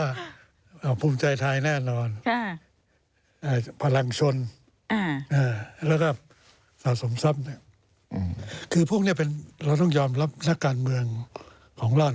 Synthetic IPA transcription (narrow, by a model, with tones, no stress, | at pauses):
ɔ˥˩ | ʔaː˧˩pʰuː˧mt͡ɕa˧jt̪ʰaː˧jnɛː˥˩nɔː˧n | ʔaː˧˩pʰa˧la˧ŋt͡ɕʰo˧n | a˧ʔaː˧˩lɛː˧˩kɔː˧˥˩ | saː˨˩so˩˦msa˦˥p̚ni˥ɐ | kʰɯː˧pʰu˥˩k̚ni˥˩pe˧nɾa˧wt̪̬ɔ˥˩ŋjɔː˧mɾa˦˥p̚na˦˥kːaː˧nmɯ˧əŋ | kʰɔː˩˦ŋlɔː˧˥˩